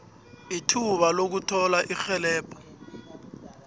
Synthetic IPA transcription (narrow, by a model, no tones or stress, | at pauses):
itʰuɓalok̬utʰɔlaʔixɛlɛːpʰʼɔ̥